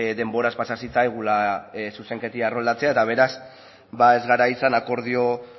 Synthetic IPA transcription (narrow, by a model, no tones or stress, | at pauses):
d̪e̞mbo̞ɾaspasasit͡sajɣ̞ulasuse̞ŋke̞t̪iarold̪at͡se̞ae̞t̪aβ̞e̞ɾas | bae̞zɣaɾaisanako̞ɾðio̞